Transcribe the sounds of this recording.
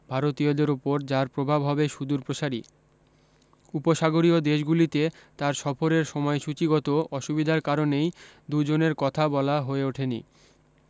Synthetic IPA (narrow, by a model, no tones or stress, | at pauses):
bʱaɾot̪iod̪eɾupoɾd͡ʑaɾpɾobʱabɦɔbeʃud̪uɾpɾoʃaɾi | upoʃaɡoɾiod̪eʃ̬ɡulit̪et̪aɾʃɔfoɾeɾʃɔmɔeʃut͡ɕiɡɔt̪oɔʃubid̪ʱaɾkaɾonejd̪ud͡ʑoneɾkɔt̪ʰabɔlaɦoeoʈʰenḭ